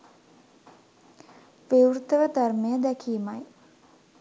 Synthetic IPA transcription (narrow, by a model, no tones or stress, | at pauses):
ʋiwɾut̪əʋəd̪ɐrmejəd̪ɛkʰiːmɐj